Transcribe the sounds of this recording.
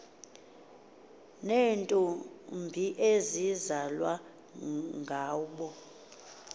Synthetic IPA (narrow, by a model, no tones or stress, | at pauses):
nentʼɔmbʱiʔezizalwa | ŋɡʱaːɓɔ